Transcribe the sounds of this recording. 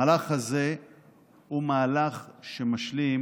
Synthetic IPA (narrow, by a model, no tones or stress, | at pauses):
laχaze | humaːlaχʃemaʃlim